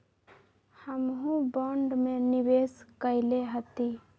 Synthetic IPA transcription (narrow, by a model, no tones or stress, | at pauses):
həmɦũbɔːɳɖmẽnɪweːskəɪleɦət̪i